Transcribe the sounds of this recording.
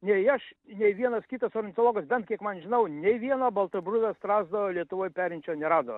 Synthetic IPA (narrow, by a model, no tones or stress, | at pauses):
nʲɛɐʃnʲɛɪʋʲiɛnɐskʲit̪ɐsoːɾʲɪnt̪olˠoːɡɐsbʲɛnt̪kʲiɛkmɐnʒʲɪnɐʊnʲɛɪʋʲiɛnɐbɐlˠt̪ɐbɾʊd̪ɐst̪ɾɑːzd̪ɐʋolʲiɛt̪ʊʋoːjpʲæːɾʲɪnʲt͡ʃʲoːnʲɛɾɑːd̪o